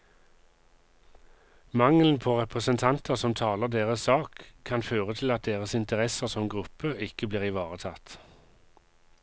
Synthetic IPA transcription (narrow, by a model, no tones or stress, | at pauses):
mɑŋln̩pʰoːʁɛpʁəsənt̪ʰɑnt̪əʁsɔmt̪ʰɑːləʁd̪eːʁəssɑːkʰːɑnføːʁət̪ʰɪlɑt̪̚d̪eːʁəsɪnt̪əʁɛsəʁsɔmɡʁʉpəɪkəbliːʁɪʋɑːʁət̪ʰɑt̪